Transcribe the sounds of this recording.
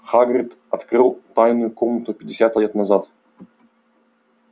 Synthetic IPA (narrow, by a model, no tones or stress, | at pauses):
χaɡɾʲɪt̪ | ɐt̪kɾɨlˠt̪ajnʊjʊkomnət̪ʊpʲɪdʲɪsʲat̪ɛt̪nɐzat̪